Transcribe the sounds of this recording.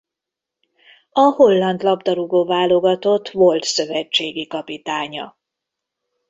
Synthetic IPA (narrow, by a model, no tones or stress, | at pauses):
ɒho̞lːɒnt̪lɒbd̪ɒɾuɡoːvaːlo̞ɡɒt̪o̞t̪ːvo̞lt̪sø̞vɛt͡ʃːeːɡikɒpit̪aːɲɒ̰